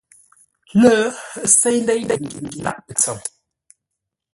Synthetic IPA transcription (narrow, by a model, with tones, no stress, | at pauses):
lə˦se˦jn˦de˦jdɛ˦˨ŋ̩˨ɡʉ̰˨ŋ̩˦ɡi˦˨la̰˨ʔpə˨t͡sə˨ŋ